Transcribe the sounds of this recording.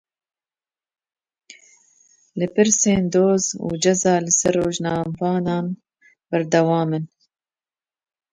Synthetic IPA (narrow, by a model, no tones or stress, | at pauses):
lɨpɨɾseːnd̪oːzṵːd͡ʒɛzɑːlɨsɛrːoːʒnɑːmvɑːnɑːn | b̥ɛɾd̪ɛwɑːmɨn